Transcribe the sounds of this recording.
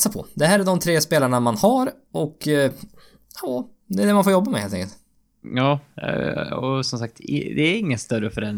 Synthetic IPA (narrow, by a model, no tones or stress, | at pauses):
sapʰɔ̰d̪ɛhæːɾɛɖ̪ɔmt̪ʰɾeːspeːlaɳamanhaɾ | ɔkː | ɑː | d̪ɛːɖɛmanfoːjɔbːamɛheːlt̪ɛ̰ŋkəlt̪ | jɑ̰ː | ɔsɔmsak̚t̪ʰɪ̰d̪ɛːɾɪŋːənst̪œɾəfœɾɛn